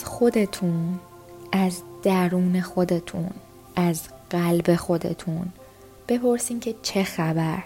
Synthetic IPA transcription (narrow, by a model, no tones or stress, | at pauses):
xo̞d̪e̞t̪ʰun | ʔæzd̪̥æɾuːne̞xo̞d̪e̞t̪ʰun | ʔæzɢ̥ælbe̞xo̞d̪e̞̰t̪ʰun | b̥e̞pʰo̞ɾsiːmcʰe̞t͡ʃʰe̞xæbæɾ